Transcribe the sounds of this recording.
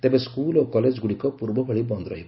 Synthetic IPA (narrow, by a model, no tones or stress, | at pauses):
t̪ebeskulokɔled͡ʒɡuɽikɔpuɾbɔbʰʱɔɭibɔnd̪ɾɔɦibɔ